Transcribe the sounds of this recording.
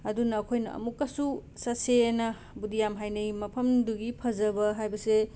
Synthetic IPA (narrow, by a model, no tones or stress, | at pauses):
ɐdunɐːkʰojnɐ̰ʔɐ̰mukːɐsusɐsenɐ | budijamɦajnɐjmɐpʰɐmduɡipʰɐzɐbɐɦajbɐse